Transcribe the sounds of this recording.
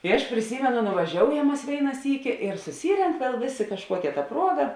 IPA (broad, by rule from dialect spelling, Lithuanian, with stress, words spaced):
ɪ ɐʃ pʲrʲɪˈsʲiːmʲɛnʊ nʊʋɐˈʒʲoːʊjɛm ˈmɐs ˈʋʲeːɪnɐ ˈsʲiːkʲɪ ɪr sʊˈsʲiːrʲɛŋk ʋʲiɛlˠ ˈʋʲeːˌsʲeː kɐʃˈkuɔkʲɛ tɐ ˈpruɔɡɐ